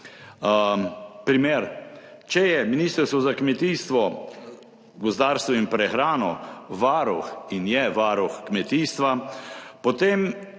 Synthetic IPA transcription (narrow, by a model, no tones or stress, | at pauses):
pɾimeːɾt͡ʃɛjɛminiːst̪əɾst̪ʋɔzakmɛt̪iːst̪ʋɔ | ɡʊzd̪aːɾst̪ʋɔimpɾɛxɾaːnɔʋaɾuxinjɛʋaːɾuxkmɛt̪iːst̪ʋapɔt̪em